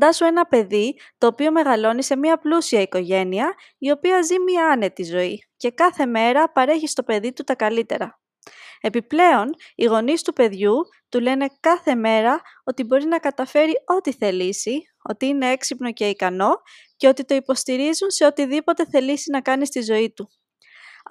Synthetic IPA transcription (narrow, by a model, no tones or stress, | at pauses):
d̪ɐsue̞nɐpe̞ðit̪o̞ːpio̞me̞ɣɐlo̞nise̞miɐplusiɐiko̞ʝe̞niɐ | io̞piɐzimiɐne̞t̪izo̞i | ce̞kɐθe̞me̞ɾɐpɐɾe̞çist̪o̞pe̞ðit̪ut̪ɐkɐlit̪e̞̰ɾɐ | e̞piple̞o̞niɣo̞nist̪upe̞ðʝu | t̪ule̞ne̞kɐθe̞me̞ɾɐo̞t̪ibo̞ɾinɐkɐt̪ɐfe̞ɾio̞t̪iθelisi | o̞̰t̪iine̞e̞ksipno̞ce̞ikɐno̞ | ce̞o̞t̪it̪o̞ipo̞st̪iɾizunse̞o̞t̪iðipo̞t̪e̞θe̞lisinɐkɐnist̪izo̞it̪u